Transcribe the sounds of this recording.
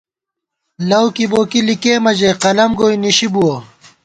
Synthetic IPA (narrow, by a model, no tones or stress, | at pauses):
lɐwkiboːkilikeːmɐd͡ʑeqɐlɐmɡoːjniɕibuo